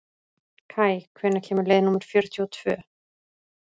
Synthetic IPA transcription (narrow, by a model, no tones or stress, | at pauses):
kʰaːjkʰvɛːnːacʰɛːmʏɾleːjðɪnumʏɾ̥fjœɾ̥t̪ʰjɔɔt̪ʰv̥œː